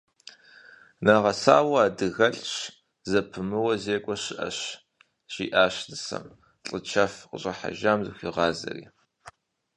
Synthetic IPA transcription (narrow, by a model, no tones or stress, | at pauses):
naːʁɐsaːwɐaːdɨɣɐɬʼt͡ʃ | zɐpʰɨmɨwɐzeːkʷʼɔɕɨʔɐ̰ɕ | ʒiːʔaːɕdɨsɐ̰m | ɬʼɨt͡ʃʰɐfqəɕʼɐħa̰ʒaːmzɨxʷiʁɑːzɐ̰rḭː